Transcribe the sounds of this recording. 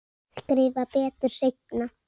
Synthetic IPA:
skɾɪːvapɛːt̪ʏɾ̥sejk̚na

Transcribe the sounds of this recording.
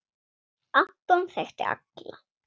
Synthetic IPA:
at̪ːɔnθɛxt̪ɪ̰a̰kla

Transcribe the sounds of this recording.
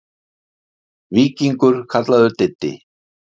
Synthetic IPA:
viːciŋkʏɾ̥kʰat̪laðʏɾt̪ɛt̪ːɪ̰

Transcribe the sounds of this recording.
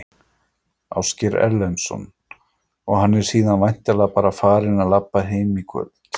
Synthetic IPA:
a̰wscɪɾɛ̰ɾlɛnsɔ̰n | ɔɣɦanːɛɾ̥siːðanvajn̥t̪alɛapaːɾafaːɾɪnaðlapːaɦeːjmikʰvœ̰lt̪

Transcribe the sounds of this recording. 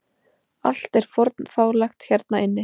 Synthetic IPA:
al̥t̪ɛɾ̥fɔɾt̪nfaːwlaxt̪çɛɾt̪̚naɪnːɪ

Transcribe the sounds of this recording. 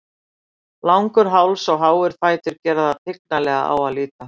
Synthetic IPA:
lawŋkʏɾ̥ɦaːwlsawɦaːwɪɾ̥faːjt̪ʏɾcɛːɾaðat̪ʰɪk̚nalɛːɣa̰ʔa̰waðliːt̪a

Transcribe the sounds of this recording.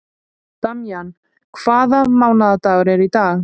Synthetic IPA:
t̪amjan | kʰv̥aːðamaːwnaðat̪aːɣʏɾɛɾit̪aːɣ

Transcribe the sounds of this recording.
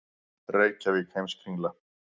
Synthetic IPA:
reːjcavɪcʰejmskʰɾiŋla

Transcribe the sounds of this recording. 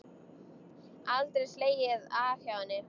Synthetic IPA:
alt̪ɾejsleːjɪðafjaːwvanːɪ

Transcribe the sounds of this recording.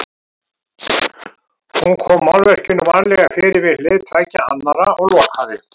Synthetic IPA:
hunkʰɔːmːawlvɛr̥cʏnːʏvaːɾlɛɣafɪːɾɪvɪðlɪðt̪ʰaːjcaa̰nːaɾaɔɣlɔːkʰaðɪ

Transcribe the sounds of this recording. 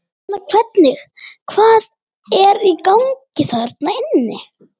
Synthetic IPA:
nakʰv̥ɛt̪nɪxkʰvaːð | ɛɾikawŋcɪθaɾt̪naɪnːɪ

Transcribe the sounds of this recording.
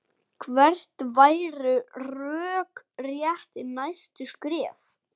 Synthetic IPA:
kʰvɛr̥t̪vaːjɾʏrœːkrjɛht̪ɪnajst̪ʏskɾɛːf

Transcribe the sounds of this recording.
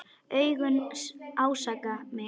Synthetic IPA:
œjɣʏnawsakame

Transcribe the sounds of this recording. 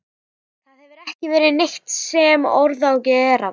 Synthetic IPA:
θaðhɛvʏɾɛhcɪvɛːɾɪneht̪sɛmɔ̰ɾðawcɛːɾa

